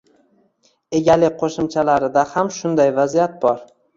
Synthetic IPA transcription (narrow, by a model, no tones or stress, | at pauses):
e̞ɡʲalɪqʰoʃɪmt͡ʃʰalaɾɪd̪ahamʃʊnd̪ajvazijat̪̚bɒɾ